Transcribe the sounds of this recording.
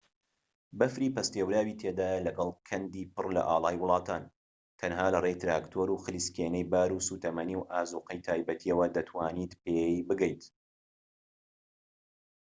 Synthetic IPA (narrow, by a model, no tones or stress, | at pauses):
bɐfɾiːpɐst̪ewɾaːwiːt̪ʰed̪aːjɐlɐɡɐlˠkʰɐnd̪iːpɨrlɐ̰ʔaːlˠɑːjwʊlˠɑːt̪ʰaːn | t̪ʰɐnɦaːlɐret̪ɾaːkt̪ʰoːɾuːxɨliskeːnɛjbaːɾuːsuːt̪ɐmɐniwʔaːzuːqɐjt̪ʰaːjbɐt̪ʰiɐwɐd̪ɐt̪ʰwaːniːt̪pebɨɡɛjt̪